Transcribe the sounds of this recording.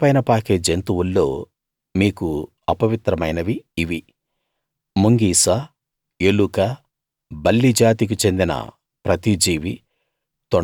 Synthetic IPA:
pɐjnɐpaːkeːd͡ʒent̪uwulːo̞̰ː | miːku | ɐpɐʋit̪ɾɐmɐjnɐʋiːʋi | muŋɡiːsɐ | elukɐ | bɐlːid͡ʒaːt̪̬ik̬ut͡ʃe̞nd̪inɐ̰ | pɾɐt̪id͡ʒiːʋi | t̪ɔ

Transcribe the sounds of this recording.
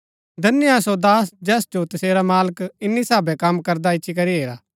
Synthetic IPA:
d̪ɐnːɪjasod̪aːs̬d͡ʒɛːsd͡ʒot̪ɐseːɾamaːləkɪnːisaːbɛkɐmkɐɾd̪aɪtːʃʰik̬ɐɾiɦeːɾaː

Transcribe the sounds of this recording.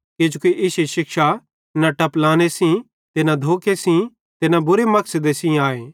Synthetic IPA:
ked͡ʒokiʔɪseʃɪkʃa | naʈɐplaːnesĩ | t̪ɪnãd̪ʱoːkesĩ | t̪ɪnãbʊɾemɐksəd̪esĩaːeː

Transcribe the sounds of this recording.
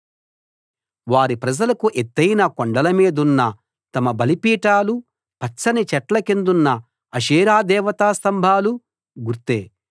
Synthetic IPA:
ʋaːɾipɾɐd͡ʒɐlɐkuʔet̪ːɐjnɐkoɳɖɐlɐmiːd̪unːɐ | t̪ɐmɐbɐlipiːʈaːlu | pɐsɐnit͡ʃɛʈlɐkend̪unːɐ | ɐʃiːɾaːd̪ɛːʋɐt̪aːst̪ɐmbʱaːlu | ɡuɾt̪eː

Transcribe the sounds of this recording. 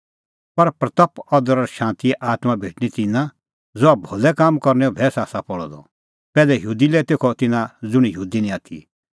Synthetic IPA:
pɐɾpɾɐt̪ɐpɔd̪əɾɔɾʃãːnt̪iɛʔaːt̪mabʱeːʈñit̪ɪnã | d͡zʊabʱolɛkaːmkɔɾnɛɔbʱɛːsaːsapɔɭɔ̰d̪ɔ̰ | pɛːlɛjuːd̪ilɛt̪eːkʰɔt̪ɪnãd͡zʊɽ̃ijuːd̪inĩaːt̪ʰḭ

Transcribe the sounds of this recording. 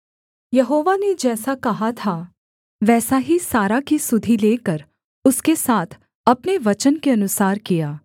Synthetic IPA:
jɐɦoːʋaned͡ʒɛːsakɐɦat̪ʰaː | ʋɛːsaɦisaːɾakisʊd̪ʱileːkəɾ | ʊskesaːt̪ʰ | ɐpneʋɐt͡ʃənkeɐnʊsaːɾkijaː

